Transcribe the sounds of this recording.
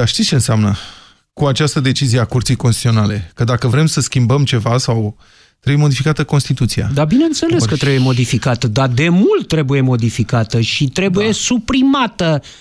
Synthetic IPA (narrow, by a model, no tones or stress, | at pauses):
d̪aʃt̪it̪st͡ʃenseamnə | kuat͡ʃast̪əd̪e̞t͡ʃizieakurt̪sijkonst̪it̪io̞nale̞kəd̪akəvɾe̞msəskʲimbəmt͡ʃe̞vasaw | t̪ɾebujemod̪ifikat̪əko̞nst̪it̪ut̪sia̰d̪abineɨnt̪se̞le̞skət̪ɾebuje̞mo̞d̪ifikat̪əd̪ad̪e̞mult̪ːɾe̞buje̞mo̞d̪ifikat̪əʃit̪ɾe̞buje̞supɾimat̪ə